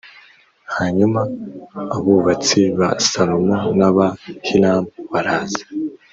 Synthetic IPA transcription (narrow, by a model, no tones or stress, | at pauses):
haɲumaː | βuβat͡siβa̰salomonaβahilaːmβaɾaːz̥ḁ